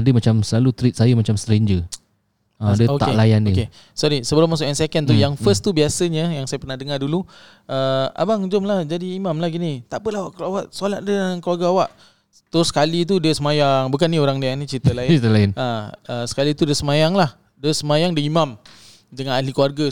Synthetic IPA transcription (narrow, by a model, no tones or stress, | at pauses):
adəmat͡ʃamsəlalut̪ɾit̪̚sajəmat͡ʃamst̪ɾeɲd͡ʒə | ãdəok̪a̰elajandəke | sɔɾisəbəɾamasʊʔansɛkənt̪jaŋfəst̪ubiasəɲəjaŋsajapərnahdəŋardulu | ʔəa̰baŋd͡ʒʊmlahd͡ʒadiːmamlahɡinit̪aʔpəlaawaʔkluawaʔsolat̪̚dəankəluarɡaawaʔ | t̪ɾʊsə̥kalit̪̬udiəsəmajaŋbukanːĩoɾaŋdianit͡ʃit̪əlaɪnit̪əlaɪnaəsə̥kalit̪udiəsəmajaŋlah | dəsəmajaŋdəimam | dəŋanalikuwarɡə